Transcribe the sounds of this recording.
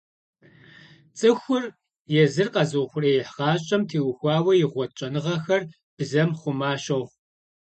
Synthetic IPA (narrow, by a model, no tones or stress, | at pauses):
t͡sʼɨxʷʊr | jɛzɨrqɐzɨxʷʊrɐjɛħʁɑːɕʼɐmtʰeːwʊxʷɑːwɐjɪʁʷɔt͡ʃʼɐnɨʁɐxɐr | b̥ɨzɐmχʷʊmaːɕɐw